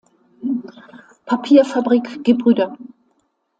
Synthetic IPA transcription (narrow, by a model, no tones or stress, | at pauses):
pʰapʰiːɐfabʁiːkɡ̥əbʁyːdɐ